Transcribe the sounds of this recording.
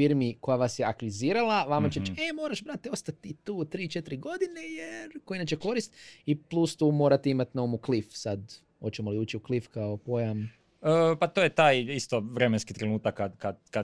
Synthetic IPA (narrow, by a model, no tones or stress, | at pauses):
iɾmiko̞jaʋasjeakʋiziːɾalˠaʋamaeɾt͡ʃemoːɾaʃbɾat̪eo̞st̪at̪ːit̪uːt̪ɾiːt͡ʃet̪ɾiɡo̞d̪inejeɾkoinat͡ɕeko̞ɾist̪iplˠust̪uːmo̞ːɾat̪eimat̪naomuklifsad̪ | o̞t͡ɕemoliuːt͡ɕiuklifkaopo̞jam | əːpat̪ojet̪aːjist̪oʋɾemenskit̪ɾenuːt̪akːad̪kad̪ka